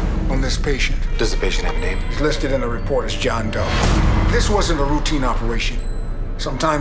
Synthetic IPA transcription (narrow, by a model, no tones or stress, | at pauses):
n̩ðɪspʰeɪʃɨ̃ntd̥ʌzɨpʰeɪʃɨ̃nɨvnḛ̃ɪ̃mɨzlɪstɨɾɨ̃nɨɹɨpʰɔɹɾɨzd͡ʒɑ̃ndʌʊðɪswʌzɨ̃ntəɹutʰĩnɑpʰə˞eɪʃɨ̃n | sʌ̃mtʰãɪ̃